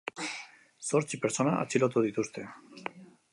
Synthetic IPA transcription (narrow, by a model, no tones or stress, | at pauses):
soɾt͡ʃipeɾsonaʔa̰t͡silot̪oðit̪ust̪e